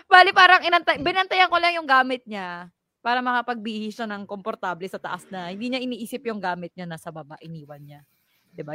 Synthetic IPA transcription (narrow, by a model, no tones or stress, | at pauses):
baːlɪpaːɾɐŋɪnɐnt̪ɐbɪnɐnt̪ɐjaŋkolɐŋjʊŋɡaːmɪt̪̚ɲa | paːɾɐmɐkɐpɐɡ̚bɪʔhɪsonɐŋkompoɾt̪aːblɛsɐt̪ɐʔasnɐhɪnd̪iːɲaʔɪniːʔiːsɪpjʊŋɡaːmɪt̪̚ɲanasɐbɐba̰ʔɪniːwɐnɲa | d̪̥ɪba